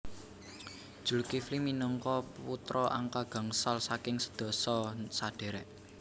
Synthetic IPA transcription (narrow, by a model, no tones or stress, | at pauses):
d̥ʒ̥ṳlkifliminəŋkɔput̪ɾɔʔa̰ŋkaɡ̥a̤ŋsalsakɪŋsə̥d̪̥ɔ̤sɔsaɖ̪̥e̤ɾɛʔ